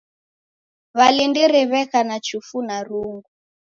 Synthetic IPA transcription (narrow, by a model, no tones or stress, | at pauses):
βalindiɾiβɛkanat͡ʃufunaɾuŋɡu